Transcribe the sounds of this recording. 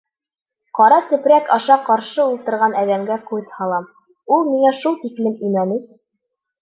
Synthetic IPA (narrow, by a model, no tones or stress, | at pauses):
qɒɾɑsɵ̆pɾækɒʃɑqɒɾʃɤulˠt̪ɤ̆ɾʁɑnæðæŋɡæqujt̪hɑlˠɑm | ulˠmiŋæʃulˠt̪iklɘmimænɘz